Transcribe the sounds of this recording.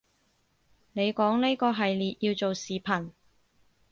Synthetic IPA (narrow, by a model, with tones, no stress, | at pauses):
ne˨˧jkɔː˨˥ŋne˥kɔː˧ɦɐ˨jliː˨t̚jiː˧wt͡so˨wsiː˨pʰɐ˨˩n